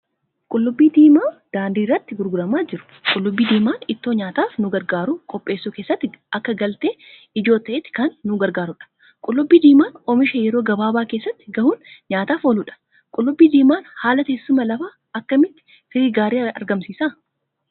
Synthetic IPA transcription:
kʼʊlːʊbːiːd̪iːmaːd̪̥aːnd̪iːrːɐt̪ːɪɡʊɾɡʊɾɐmaːd͡ʒɪɾʊ̥kʼʊlːʊbːiːd̪iːmaːnɪt̪ːoːɲaːt̪aːfnʊɡɐɾɡaːɾukʼɔpʼːe̞ːsːuːkeːsːɐt̪ːɪɐkːɐɡɐlt̪eː | ɪd͡ʒo̞ːt̪ːɐʔet̪ːɪ̥kɐnːʊɡɐɾɡaːɾʊᶑɐ̥ | kʼʊlːʊbːiːd̪iːmaːnɔmɪʃeːjɛɾo̞ːɡɐbaːbaːke̞ːsːɐt̪ːɪɡɐhuːnɲaːt̪aːfoːlʊᶑɐ̥ | kʼʊlːʊbːiːd̪iːmaːnhaːlɐt̪eːsːʊmɐlɐfaː | ɐkːɐmɪt̪ːɪ̥ | fɪɾiːɡaːɾiːɐ̰ɾɡɐmsiːsa

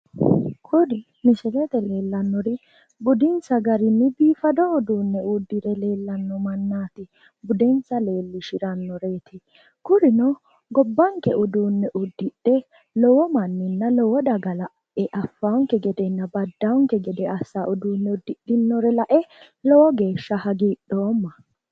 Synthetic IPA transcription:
kʰʊdɪ | mɪsɛlɛt̪ɛle̞ːlːɐnːɔɾɪ | bʊd̪ɪnsɐɡɐɾɪnːɪbiːfɐd̪ɔʊd̪uːnːɛʊd̪ːɪɾɛle̞ːlːɐnːɔmɐnːaːt̪ɪ | bʊd̪ɛnsɐle̞ːlːɪʃɪɾɐnːɔɾe̞ːt̪ɪ | kʊɾɪnɔ | ɡɔbːɐŋkɛʊd̪uːnːɛʔʊd̪ːɪɗːɛ | lɔwɔmɐnːɪnːɐlɔwɔd̪ɐɡɐlɐʔ | ɛʔɐfːaʊŋkɛɡɛd̪ɛnːɐbɐd̪ːɐʊŋkɛɡɛd̪ɛɐsːaʔʊd̪uːnːɛʊd̪ːɪɗːɪnːɔɾɛlɐʔɛ | lɔwɔɡeːʃːɐhɐɡiːɗːoːmːɐ

